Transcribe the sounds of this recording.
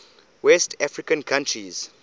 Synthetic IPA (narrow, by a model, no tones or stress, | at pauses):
wɛstʰafɹikə̃nkʰãntʰɹiz̥